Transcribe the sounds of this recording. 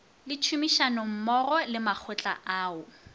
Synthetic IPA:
lɪt͡ʃʰumiʃanɔm̩mɔrɔlɪmak͡xʰʊt͡ɬʼa̰ʔaːʊ

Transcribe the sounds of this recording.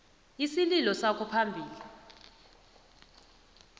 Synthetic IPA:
isililɔsakʰɔpʰambʱiːli

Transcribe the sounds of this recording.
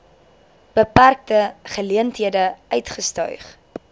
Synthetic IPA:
b̥əpærk̚təχəliəntɦiədəœɥtχəstœ̰ɥχ

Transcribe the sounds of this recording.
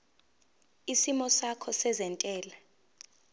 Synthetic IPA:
isimɔsakʰɔsɛzɛntʼɛːla

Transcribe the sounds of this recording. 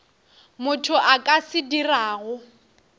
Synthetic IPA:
mʊtʰʊʔakʼasɪdiraːɣʊ

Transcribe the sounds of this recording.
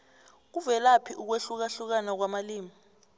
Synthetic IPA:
k̬uvɛlapʰiʔuk̬weɬuk̬aɬuk̬anak̬wamaliːmi

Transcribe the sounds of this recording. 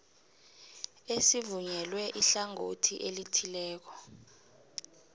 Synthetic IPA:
esivuɲɛlwɛʔiɬaŋotʰiʔelitʰilɛːk̬ɔ

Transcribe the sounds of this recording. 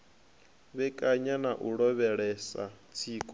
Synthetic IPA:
βɛkʼaɲanaʔuɺɔβɛɺɛsa̰t͡sʰiːkʼɔ

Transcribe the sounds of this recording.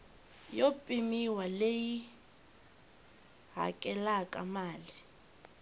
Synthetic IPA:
jopʼimiwaleji | ɦa̰kʼɛlakʼa̰maːli

